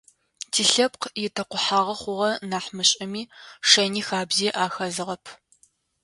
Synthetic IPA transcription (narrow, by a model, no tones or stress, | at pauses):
tʰiːɬɐp̚qjɪtʰɐqʷʊħaːʁɐχʷʊʁɐnaːħmɨɕʼɐmiːʂɐniːxaːbziːʔaːxɐzɨʁɐpʰ